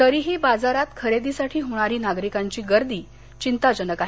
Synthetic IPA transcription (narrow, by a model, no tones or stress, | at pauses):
t̪əɾiɦibad͡zaɾat̪kʰəɾed̪isaʈʰiːɦoɽ̃aɾiːnaɡɾikaɲt͡ɕiːɡəɾd̪iː | t͡ɕint̪ad͡ʑənəkaɦe